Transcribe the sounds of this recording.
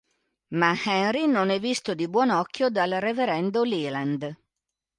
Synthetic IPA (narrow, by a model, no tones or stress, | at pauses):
mahɛnrinonɛvːist̪od̪ibwɔnɔkːjod̪alreveɾɛnd̪oliland̪